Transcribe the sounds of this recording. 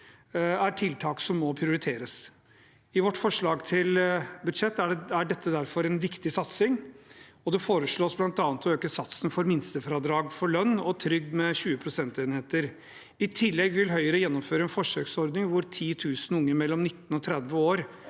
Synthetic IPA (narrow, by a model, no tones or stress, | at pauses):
æʈʰɪlt̪ʰɑːksɔmːɔpʰɾɪʊɾɪt̪ʰeːɾəs | ɪʋɔʈːfɔʂɭɑːɡt̪ʰɪlbʉd̪ʂɛt̪ːææɖɛt̪ːəd̪æɾfɔɾɛnʋɪkt̪ɪsɑt̪sɪŋɔd̪ɛfoːɾəʂɭoːsblɑnt̪ɑːnət̪ɔøːkəsɑt̪snfɔɾmɪnst̪əfɾɑːd̪ɾɑːɡfɔɭœnːɔt̪ʰɾʏɡmɛɕʉːəpʰɾʊsɛnt̪eːnheːt̪əɾ | ɪt̪ʰɪlːɛɡʋɪlɦœʏəɾəjɛnːɔmføːɾəɛnfɔʂøːksɔɾd̪nɪŋʋʊɾt̪ʰiːt̪ʰʉːsn̩ʊŋːəɾmɛlːɔmnɪt̪ːn̩ɔt̪ʰɾɛd̪ʋəoːɾ